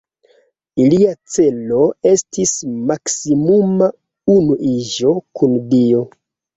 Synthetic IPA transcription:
iliat͡se̞lo̞e̞stismaksimuma | unuʔiʒo̞kundio

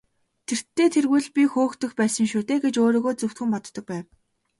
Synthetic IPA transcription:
t̪ʰer̥t̪ʰːeːt̪ʰerwɘ̆ɮpʲixoːxt̪ɵ̆xpæːsə̆ŋʃuːt̪eːɡet͡ɕoːɾɔːɣoːt͡sɵw̥t̪xɘ̆mpɔt̪ːɞ̆k̚pæːw

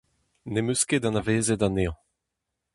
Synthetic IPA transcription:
nemøsked̪ɑ̃naveːzedaneɑ̃

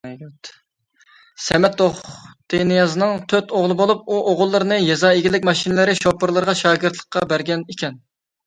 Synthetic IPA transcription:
t̪ | sɛmɛt̪̚d̪oχt̪ʰenɪjɑzɨnɨŋt̪ʰøt̪oʁlˠɨbolˠup̚uʔoʁʊlˠːɨɾɨnɨjɛzɑeɡʲilɪkʲmɑʃinɪlɪɾɪʃopːɨɾlˠɨɾʁɑʃɑːɡʲɪɾt̪ʰlˠə̥qqːɑbæɾɡʲɛnekʲʰɛn

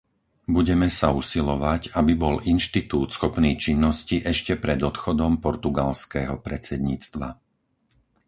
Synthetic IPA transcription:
buɟɛmɛsausilɔʋacabibɔlinʃt̪it̪uːt̪sxɔpniːt͡ʃinːɔsciʔɛʃcɛpɾɛd̪ɔt̪xɔd̪ɔmpɔɾt̪uɡalskɛːɦɔpɾɛt͡sɛd̪ɲiːt͡st̪ʋa̰

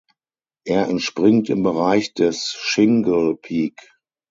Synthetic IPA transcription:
ʔeːɐʔɛntʃpʁɪŋtɪmbəʁaɪçd̥ɛsʃɪŋɡl̩pʰiːk

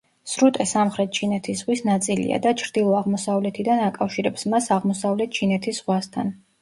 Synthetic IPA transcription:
sɾut̪ʼɛsamχɾɛt̪̚t͡ʃʰinɛt̪ʰisʁwisnat̪sʼilḭa̰d̪at͡ʃʰɾd̪ilˠɔaʁmɔsavlɛt̪ʰid̪anakʼafʃiɾɛpsmasaʁmɔsavlɛt̪̚t͡ʃʰinɛt̪ʰisʁwast̪ʰa̰n

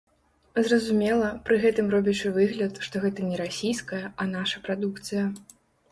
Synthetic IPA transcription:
zrɐzumʲɛlˠɐpɾɨɣɛt̪ɨmrɔbʲit͡ʂɨvɨɣlʲɐt̪ʂt̪ɔɣɛt̪ɐnʲɛɾasʲijskɐjɐʔɐnaʂɐpɾad̪ukt̪sɨjɐ

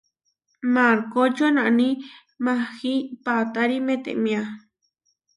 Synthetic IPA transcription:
maɾkot͡ʃonaʔni | maxipat̪aɾimet̪ḛʔmja

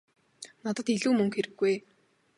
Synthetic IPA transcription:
nat̪ə̆t̪iɮuːmɵŋkxeɾɘ̆ɡːuj

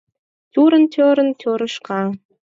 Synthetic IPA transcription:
t̪ʲuɾənt̪ʲʰøɾənt̪ʲʰoɾəʃkɑ

